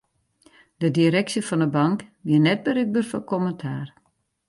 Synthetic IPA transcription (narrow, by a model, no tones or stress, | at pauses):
d̥ədiɾɛksjəfɔndəbɑŋkʋiənɛt̚bəɾyk̚bərfɔkʰoməntʰaːr